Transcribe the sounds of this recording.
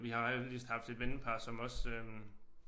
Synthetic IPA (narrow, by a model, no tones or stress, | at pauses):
ʋihɑ̈lisd̥hɑ̈fd̥e̝d̥ʋenəpʰɑ̈ːsɒ̽mɒ̽søm